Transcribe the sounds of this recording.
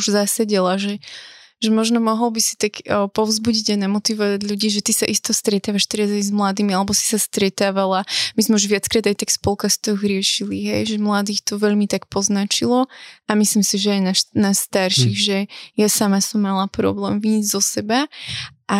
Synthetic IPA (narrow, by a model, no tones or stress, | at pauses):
uʒzasaɟɛlaʒɛ | ʒɛmɔʒnɔmɔɦɔlˠbisi̥t̪akpɔʊzbuɟiɟajnamɔt̪iʋɔʋaɟʎuɟiːʒɛt̪isaʔist̪ɔst̪ɾɛt̪aːʋaʃt̪ɛɾazajzmlad̪iːmialɛbɔsi̥sast̪ɾɛt̪aːʋalamizmɛuʒʋɪat͡skɾaːd̪ajt̪akspɔlˠkast̪ɔɣɾɪɛʃiliɦɛjʒɛmlad̪iːxt̪ɔʋɛʎmit̪akpɔznat͡ʃilɔamislimsiʒɛajnaʃnast̪aɾʃiɣʒɛjasamasɔmːalapɾɔ̰blɛːmviizzɔsɛbaʔa